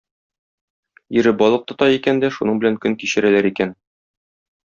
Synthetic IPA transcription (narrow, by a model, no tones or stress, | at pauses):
iɾɘbɒlˠɤ̆q̚t̪ɤ̆t̪ɒjikænd̪æʃunɤɴbɘ̆læŋkɵŋkiɕɘ̆ɾælæɾikæn